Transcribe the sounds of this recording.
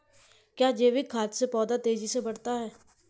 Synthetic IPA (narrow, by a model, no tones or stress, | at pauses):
kjaːd͡ʒeːʋɪkʰːaːt̪sepɔːd̪at̪eːd͡ʒisebəɽ̤t̪aɦɛː